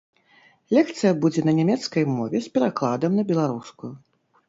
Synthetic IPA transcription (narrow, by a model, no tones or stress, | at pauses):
lʲɛkt̪sɨjɐbud͡zʲɛnɐnʲɛmʲɛt̪skɐjmɔvʲɛspʲɛɾaklˠad̪ɐmnɐbʲɛlˠaɾuskuju